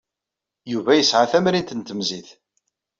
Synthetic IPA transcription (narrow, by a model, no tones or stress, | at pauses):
juvæjəsʕaθæmɾint̪ənt̪əmziθ